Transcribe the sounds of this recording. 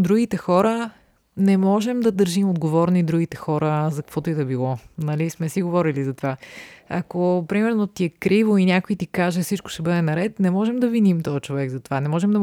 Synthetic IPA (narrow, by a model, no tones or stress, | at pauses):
d̪ɾuɡit̪ɛxɔɾə | nɛmɔʒɛmd̪ɐd̪əɾʒimod̪ɡovɔɾnid̪ɾuɡit̪ɛxɔɾəzɐkɐkvɔt̪oɛd̪ɐɛbilˠɔnɐlismɛsiɡovɔɾilizɐt̪ovaɐ̰kopɾimɛɾnot̪iɛkɾivoinʲakoit̪ikaʒɛsit͡ʃko̥ʃɛbɤd̪ɛnɐɾɛt̪nɛmɔʒɛmd̪ɐvinimt̪ɔjət͡ʃovɛɡzɐt̪ovanɛmɔʒɛmd̪ɐ